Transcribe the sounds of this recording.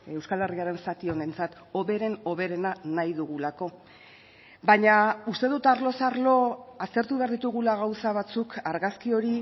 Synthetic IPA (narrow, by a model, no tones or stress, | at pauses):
e̞wskale̞riaɾe̞nsat̪io̞ne̞nt͡sat̪ | o̞βe̞ɾe̞no̞βe̞ɾe̞nanajðuɣulako̞ | baɲaust̪e̞ðut̪aɾlo̞saɾlo̞ast̪e̞ɾt̪uβe̞aɾðit̪uɣulaɣ̞awsaβat͡sukaɾɣaskio̞ɾi